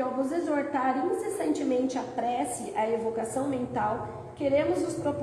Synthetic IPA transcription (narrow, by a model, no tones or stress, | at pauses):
awvʊzezoɾt̪aɾĩnsesɐ̃nt͡ʃɪmẽnt͡ʃɪapɾɛsɪʔɐevokasɐ̃w̃mẽnt̪aw | keɾẽmʊzʊspɾop